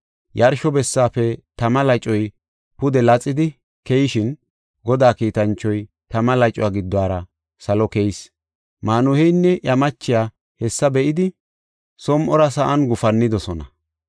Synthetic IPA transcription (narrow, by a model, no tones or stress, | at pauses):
jɐɾʃɔbɛsːaːfɛt̪ɐmɐlɐjt͡ʃʼːɔj | pʊd̪ɛlɐt͡sʼːɪd̪ɪ | kɛjɪʃɪn | ɡɔd̪aːkiːt̪ɐnt͡ʃːɔj | t̪ɐmɐlɐjt͡ʃʼɔwaːɡɪd̪ːwaːɾɐ | sɐlɔkɛjs | maːnʊhɛjnːɛʔjɐmɐt͡ʃːɪjaː | hɛsːɐbɛʔɪd̪ɪ | sɔmʔɔɾɐsɐʔɐnɡʊfɐnːɪd̪ɔsɔnɐ̰